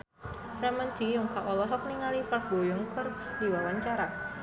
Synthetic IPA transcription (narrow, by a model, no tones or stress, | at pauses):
ramənd͡ʒ̥ijʊŋkaʔɔlɔɦɔk̚niŋalipabojɔŋkər | diwawaɲt͡ʃaɾa